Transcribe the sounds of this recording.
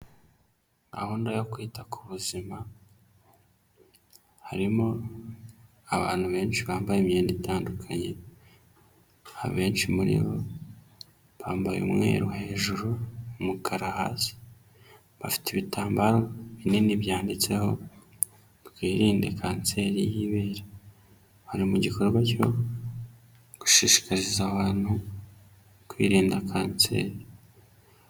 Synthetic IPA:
a̰huːndajo̞kwiːtakʰu̥βuzima | haɾimo | aβa̰ːn̥huβe̞ːnʃiβaːmbajemijeːnditaːndukʰaɲe̞ | a̰βe̞ːnʃimuɾḭɾo̞̰ | βaːmbajeṵmŋe̞̰ːɾuhe̞ːʒuɾumukʰaɾaha̰ːsi̥ | βafi̥tʰeβitaːmbaɾo̞βininiβjaːndit͡se̞ho̞ | βkwiːɾiːnde̞kʰaːnt͡se̞ɾijiβeːɾa | haɾimuɟiko̞ɾɡwaco̞̰ | ɡ̥u̥ʃiʃi̥kaɾizaβaːn̥hu | kwiːɾiːndakʰaːnt͡se̞̰ːɾi

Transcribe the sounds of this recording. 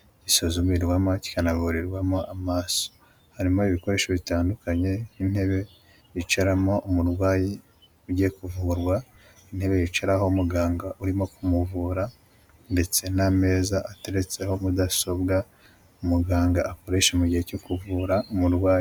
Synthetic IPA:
ɟisozuβiɾɡwamoci̥kanaβuɾiɾɡwamo̞ʔamaːso̥ | haɾimo̞iβiko̞ɾe̞ːʃoβitaːndukaɲe̞in̥he̞βe̞ | jit͡ʃaɾamo̞umuɾwaːji | uɟekuvuɾɡwa | in̥he̞βe̞jit͡ʃaɾaho̞muɡaːŋɡaʔuɾimo̞kumuvuːɾa | nde̞t͡se̞name̞ːzaːte̞ɾe̞t͡se̞ho̞mudaso̞bɡa | umuɡaːŋɡaːko̞ɾe̞ʃomuɟihe̞cokuvuɾaumuɾɡwaːji

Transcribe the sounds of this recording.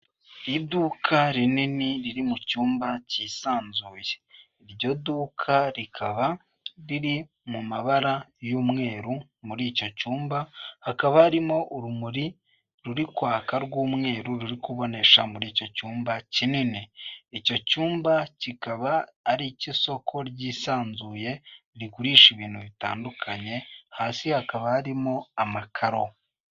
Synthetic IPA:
iduːkʰaɾininiɾiɾimucuːmbacisaːnzuːje̥ | ɾɟo̞duːkʰaɾikʰaβa | ɾiɾi | mumaβaɾajuːmŋe̞ːɾu | muɾiːco̞cuːmbahakaβaːɾimo̞ʔuɾumuɾi | ɾuɾikwaːkaɾɡuːmŋe̞ːɾuɾuɾikuβo̞ne̞ʃamuɾiːco̞cuːmbacinineico̞cuːmbacikaβaːɾiciso̞kʰo̞ɾɟiːsaːnzuːje̞ɾikuɾiːʃiβiːnthuβita̰ːndukʰaɲe̞haːsihakaβahaɾimo̞amakʰaɾo̞

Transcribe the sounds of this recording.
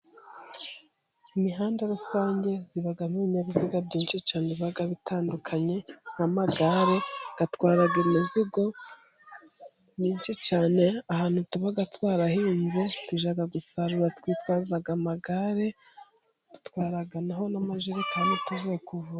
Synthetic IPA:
imiɦaːndaɾusaːɲɟe̞ziβaɡamuβiɲaβiziɡabɟiːnt͡ʃit͡ʃaːneβaɡaβitaːndukʰaɲe̞ŋ̥amaɡaɾe̞ɡ̥atwaːɾaɡemiziɡo̞ | niːnt͡ʃit͡ʃaːne̞ahaːn̥hutuβaɡatwaːɾahiːnze̞twiʒaɡaɡusaɾuɾatwiːtwaːzaɡamaɡaɾe̞̥ | u̥twaːɾaɡanaho̞namaʒuɾekaːndituvukuvua

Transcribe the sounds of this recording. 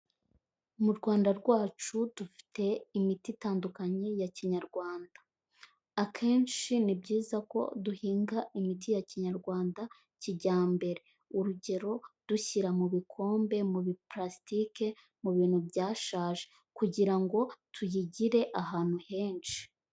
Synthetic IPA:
muɾɡwaːndaɾɡwaːt͡ʃud̥ufi̥te̞imititaːndukaɲe̞jaciɲaɾɡwaːndḁː | kʰe̞ːnt͡ʃinibɟiːzako̞̰duhiːŋɡaʔimit̬ijaciɲaɾɡwaːnda | ciɟaːmbe̞ɾe̞ | uɾuɟe̞ɾo̞d̥uçiɾamuβikʰo̞ːmbe̞muβipɾastike̞ | muβiːn̥hubɟaːʃaːʒe | kuɟiɾaŋɡo̞tʰujiɟiɾe̞ʔaɦaːn̥huhe̞ːnʃi̥

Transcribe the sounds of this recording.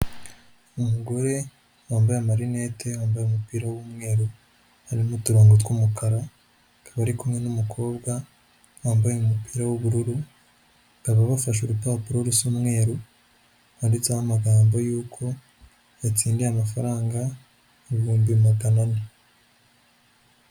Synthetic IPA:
umuɡo̞ɾe̞ | waːmbajamaɾine̞te̞waːmbajeumupiːɾawwumŋe̞ːɾo | haɾimutuɾoːŋɡot̬kumukaɾa | kaβaɾikumŋe̞numukʰo̞ːbɡa | waːmbajeumupiːɾawoβuɾuɾu | kaβaβafaʃ̬uɾupaːpuɾoɾusumŋe̞ːɾo | handit͡sahamaɡaːmbojuːkʰo̞ | at͡siːndiamafaɾaːŋɡa | βuːmbimaɡanane

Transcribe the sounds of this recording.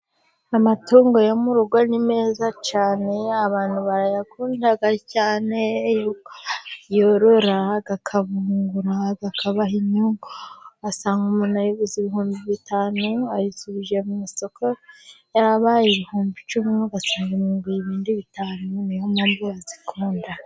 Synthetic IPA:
amatuːŋɡo̞jomuɾuɡwanime̞ːzat͡ʃaːne̞aβaːnhuβaɾajakʰuːndaɡacaːne̞jukjoɾoɾaɡakʰaβuːŋɡuɾaɡakʰaβahiɲuŋɡoɡasaːŋɡumunajoβiziβihuːmbiβitaːnuajisuβiʒemumiso̞kʰojaɾaβajeβihuːmbit͡ʃumiuɡasaːŋɡimuːmbijiβiːndiβitaːnunijomanbijazikʰuːnda

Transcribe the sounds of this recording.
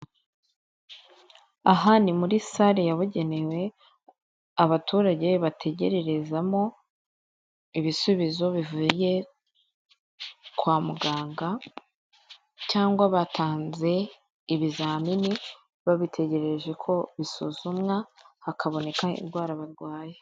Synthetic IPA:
aɦanimuɾisaɾejaβuɟe̞ne̞we̞ | aβatʰuːɾaɟe̞βatʰe̞ɟe̞ɾe̞ɾe̞zamo̞ | iβisuβizo̞βivuje̞ | kwaːmuɡaːŋɡa | caːŋɡwaβatʰaːnze̞ | iβizaːmini | βaβitʰe̞ɟe̞ɾe̞ɾeʒe̞kʰo̞βisuːzumŋahakʰaβo̞ne̞kaḭnɡwaːɾaβaɾɡwaːje

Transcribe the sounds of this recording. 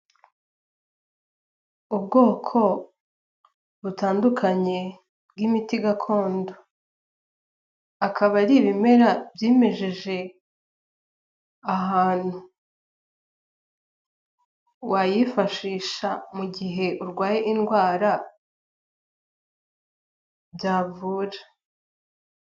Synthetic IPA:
ubɡo̞ːkʰo̞ | βutaːndukʰaɲe̞ | bɡimitiɡakʰo̞ːndo̞ | akʰaβaɾiβime̞ɾabjiːmeʒeʒe̞ | aɦaːn̥hu | wajifaʃiːʃamuɡiɦe̞ʔuɾɡwaːjeʔinɡwaːɾa | bjaːvuːɾa

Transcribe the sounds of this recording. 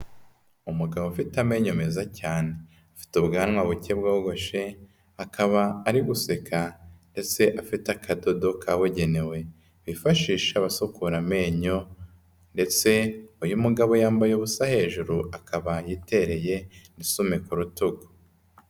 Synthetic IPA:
umuɡaβofitame̞ːɲome̞zacaːne | afi̥tubɡaːnŋwaβucebɡaɡo̞ʃe̞ | akʰaβaːɾiɡuse̞kʰande̞t͡se̞ʔafitakʰado̞do̞kʰaβoɟe̞ne̞we̞ | βifaʃiːʃeaβasukuɾame̞ːɲo̞ | nde̞t͡se̞ujumuɡaβo̞jaːmbajoβusahe̞ʒuɾuʔakaβajite̞ɾe̞je̞nisume̞kuɾutuɡo̥

